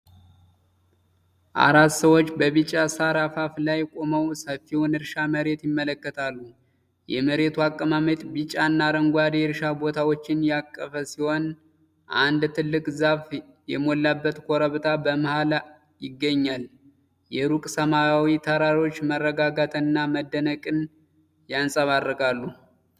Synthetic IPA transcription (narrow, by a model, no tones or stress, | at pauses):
ʔa̰ɾat̪səwo̞t͡ʃːbəβɨt͡ʃʼːasaɾafaflajkʼo̞məwsəfːiwonɨɾʃaməɾe̞t̪jɪmːələkːət̪ʰalːu | jɛməɾe̞t̪ʰuakʼːəmamət̪bɨt͡ʃʼːanːaɾəŋɡʷad̪ɾʃabo̞t̪ʰawot͡ʃːɪnjakʼːəfəsiho̞n | ʔand̪t̪ʰɨlːɨkʼzaf | jɛmo̞lːabːət̪kʰo̞ɾəβt̪ʰabəmahala | jɪɡːəɲːal | jɛɾukʼsəmajawit̪ʰəɾaɾo̞t͡ʃːmərːəɡaɡat̪ʰɨnːaməd̪ːənəkʼɨn | jansʼəβarːəkʼalːu